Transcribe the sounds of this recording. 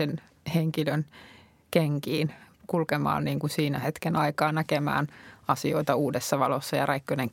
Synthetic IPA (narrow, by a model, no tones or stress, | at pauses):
en | heŋkiløn | keŋkiːnkulkemɑ̰ːnniːŋkusiːnæhet̪kenɑikɑːnnækemæ̰ːnɑsioit̪ɑuːdesːɑʋɑlosːɑjɑ̰rɑikːøneŋ